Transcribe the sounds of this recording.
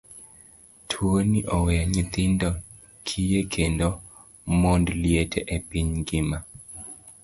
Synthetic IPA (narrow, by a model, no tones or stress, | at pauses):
tʰwoniʔɔwɛaɲit̪ɪndɔ | kʰijekʰendo | mondljetʰeʔepiɲɡɪma